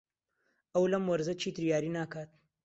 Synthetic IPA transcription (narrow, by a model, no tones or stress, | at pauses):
ʔɐwlɐmwɐɾzɐt͡ʃʰiːt̪ʰɨɾjaːɾiːnaːkaːt̪̚